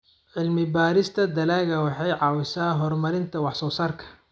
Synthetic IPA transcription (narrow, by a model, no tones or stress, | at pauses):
ʕɪlmɪbaːɾɪst̪ʰɐd̪ɐlaːɣɐwɑħɑjʕɑːwɪsaːɦɔrmɐɾɪnt̪ʰɐwɑħsɔːsaːrkʰɐ̥